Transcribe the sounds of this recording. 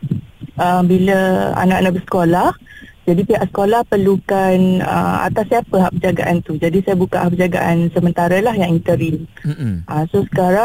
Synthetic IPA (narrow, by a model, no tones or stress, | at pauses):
ʔəmbiləa̰nãʔanãʔbəsə̥kolahd͡ʒadipiɦaʔsə̥kolahpəlukanə̰ma̰t̪asapəɦaʔbəd͡ʒaɡa̰ʔant̪ud͡ʒadisajabukaʔhaʔbəd͡ʒaɡa̰ʔansəmənt̪aɾəlahjaŋint̪əɾinʔəsosə̥kaɾa